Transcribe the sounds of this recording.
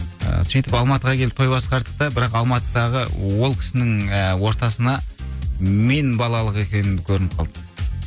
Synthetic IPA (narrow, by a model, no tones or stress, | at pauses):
ə̰sijt̪ɪpɑlˠmɑt̪əʁɑkʲʰe̞lɪp̚t̪ʰojbɑsqɑɾd̪əq̚t̪ɑbɪɾɑqɑlˠmɑt̪əd̪ɑʁəwo̞lˠkʲʰɪ̥sɪnɪŋəwo̞ɾt̪ɑsənɑ | menbɑlˠɑlˠəqe̞kʲe̞nɪmkʲʰɵɾɪnɪp̚qʰɑlˠd̪əq